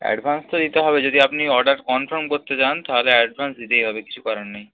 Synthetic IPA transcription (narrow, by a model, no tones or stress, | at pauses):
ɛ̰ɖbʱanst̪od̪it̪eɦɔbed͡ʑod̪iapniɔɾɖaɾkɔnfʰaɾmkoɾt̪et͡ɕant̪aɦoleɛɖbʱansd̪it̪ejɦɔbeki̥t͡ɕʰukɔɾanːej